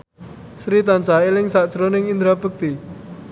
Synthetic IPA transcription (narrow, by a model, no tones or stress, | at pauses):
sɾit̪ant͡ʃailɪŋsaʔd̥ʒ̥ɾonɪŋind̪ɾabək̚t̪i